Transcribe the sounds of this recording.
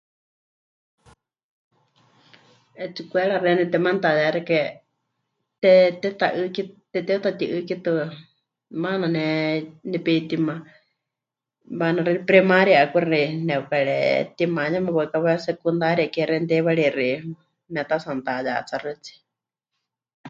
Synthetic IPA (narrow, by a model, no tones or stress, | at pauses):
ɛt͡sikʷɛɺarɛnɛt̪ɛmant̪ajaɾikɛ | t̪ɛt̪ɛt̪aʔɨkit̪ɛt̪ɛut̪at̪iʔɨkit̪ɨ | mananɛnɛpit̪ima | banaɾɛɾipɾɛmaɾjaʔakʷiɾaɾinɛukaɺɛ̰t̪imaɲamɛβakaβɛsɛkund̪aɾiakɛɾɛnd̪ɛβaɺiri | mɛt̪asant̪aja̰t͡sarɨt͡si̥